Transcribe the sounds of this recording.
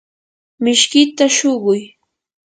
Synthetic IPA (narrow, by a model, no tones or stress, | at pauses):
mɪʃkɪt̪aʃoɢʊj